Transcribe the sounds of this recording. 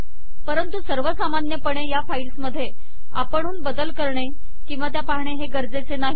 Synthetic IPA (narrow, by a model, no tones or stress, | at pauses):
pəɾənt̪usəɾʋəsamanjəpəɳejafailsməd̪ʱːje | a̰pəɳ̃uːnbəd̪əlkəɾɳe | kĩw̃ʋat̪japaɦɳeɦeɡəɾd͡zet͡senaɦi